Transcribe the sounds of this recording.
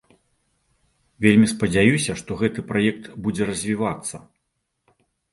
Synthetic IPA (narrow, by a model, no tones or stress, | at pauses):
vʲelʲmʲispɐd͡zʲajusʲɐʂt̪ɔɣɛt̪ɨpɾajɛk̚t̪bud͡zʲɛɾɐzʲvʲivat̪sːɐ